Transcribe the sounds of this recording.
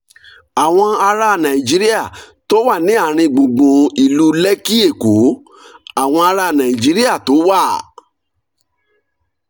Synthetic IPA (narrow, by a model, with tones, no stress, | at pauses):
a˨w̃ɔ̃˧a˧ɾa˦˨nã˨i˨d͡ʒi˨˦ɾi˦a˦˨ | to˨˦wa˦˨nĩ˨˦a˦˨ɾ̃ĩ˧ɡ͡bõ˨ɡ͡bõ˨i˨lu˧˦lɛ˦ki˦e˦˨ko˨˦ | a˦˨w̃ɔ̃˧a˧ɾa˧˦˨nã˨i˨d͡ʒi˨˦ɾi˦a˦˨to˨˦wa˦˨